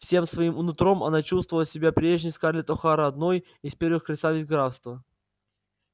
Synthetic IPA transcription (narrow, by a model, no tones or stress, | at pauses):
fsʲe̞msvɐimʊnʊt̪ɾo̞mɐ̰nat͡ɕust̪vəvəlˠəsʲɪbʲapɾʲeʐɲʲɪskarlʲɪt̪ɔxaɾəɐd̪noj | ɪspʲe̞rvɨxkɾʲɪsavʲɪzʲɡɾat̪st̪və